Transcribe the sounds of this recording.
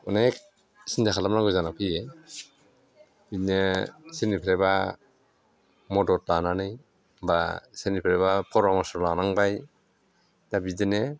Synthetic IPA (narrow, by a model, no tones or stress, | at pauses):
ɔnek̚ | sindakʰalamnaɡɔzanapʰɯje | binesenipʰɾeba | mɔdɔt̚lananɯj | basenipʰɾeβapʰɔɾɔmɔsɔɾlanaŋbaj | dabidene